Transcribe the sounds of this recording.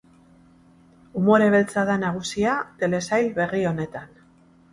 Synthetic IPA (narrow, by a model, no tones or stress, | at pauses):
umo̞ɾe̞β̞e̞lt͡saðanaɣ̞usiat̪e̞le̞sajlβe̞rio̞ne̞t̪an